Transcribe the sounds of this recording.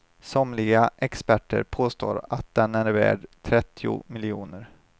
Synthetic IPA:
sɔmlɪɡaʔɛkspæʈːə̰ɾpʰoːst̪o̰ːɾat̪̚d̪ɛnæɾvæ̰ːɖt̪ʰɾɛt̪ʰːɪʊ̰mɪlɪuːnəɾ

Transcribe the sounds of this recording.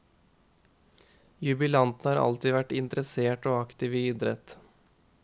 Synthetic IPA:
jʉbɪlɑnt̪n̩hɑːɾɑ̰lt̪iːʋæʈɪnt̪əɾəseːʈoːɑkt̪ɪːʋiyːd̪ɾɛ̰t̪

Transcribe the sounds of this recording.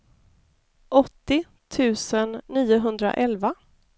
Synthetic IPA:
ʔɔt̪ːɪ | t̪ʰʉ̟ːsənːiːʊɦɵnd̪ɾa̰ʔɛlva

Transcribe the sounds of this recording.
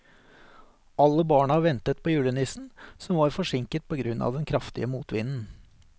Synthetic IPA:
ʔɑlːəbɑːɳəʋɛnt̪ət̪̚pʰoːjʉːɽənɪsn̩sɔmʋɑːɾfɔʂɪŋkət̪̚pʰɔɡɾʉnːʔɑ̰ːʋd̪ɛnkʰɾɑft̪ɪ̰əmuːt̪ʋɪːnn̩

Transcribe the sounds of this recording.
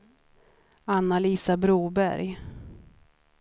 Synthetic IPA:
anːaliːsabɾuːbæ̰ɾj

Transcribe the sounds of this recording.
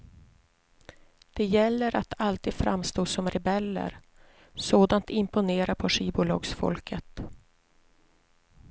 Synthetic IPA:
d̪̥ɛjɛlːəɾʔat̪ʰalt̪iːd̪fɾamst̪oːsɔmɾɛbɛlːə̰ɾ | soːd̪ant̪ɪmpʊneːɾapʰɔʂiːbʊlɔːɡsfɔ̰lkʰət̪

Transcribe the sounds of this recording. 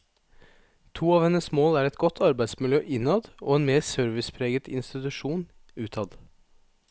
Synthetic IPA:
t̪ʰuːɑːʋhɛnəsmoːlæːɾɛt̪ɡɔt̪ʰɑɾbæɪsmɪljøːʔɪnɑd̪o̰ːeːnmeːsœɾʋɪspʰɾeːɡət̪ʰɪ̰nst̪ɪt̪ʉʃuːn | ʉːt̪ʰɑd̪

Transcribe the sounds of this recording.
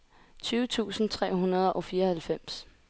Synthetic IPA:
t͡sʰyːʊət͡sʰṵːsn̩t͡sʰʁɛ̰ːɦunɐð̞ˠʔɒ̽fiːɐhælfem̰s

